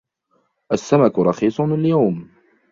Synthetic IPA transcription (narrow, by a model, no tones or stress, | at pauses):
ʔasːamakʊɾˤɑxiːsˤʊaljawm